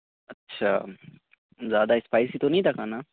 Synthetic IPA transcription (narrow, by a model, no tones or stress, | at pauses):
ɐtːɕʰa̰ː | zjaːd̪aɪspaːjsit̪onɐĩt̪ʰakaːna